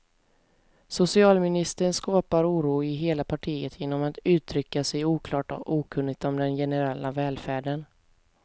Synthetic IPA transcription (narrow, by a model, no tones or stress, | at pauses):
sʊsɪɑːlmɪnɪst̪əɾənskɑːpaɾuːɾuːɪɦeːlapʰaʈʰiːət̪ʰjeːnːɔmat̪ʉ̟ːt̪ʰɾʏkːasɛjuːkʰlɑːʈɔ̰ʔuːkʰɵnːɪt̪ɔmd̪ɛnjɛnəɾɛlːavɛːlfæːɖən